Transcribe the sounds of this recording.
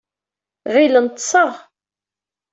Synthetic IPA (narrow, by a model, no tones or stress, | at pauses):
ʁilənt̪ˤːsˤɑʁ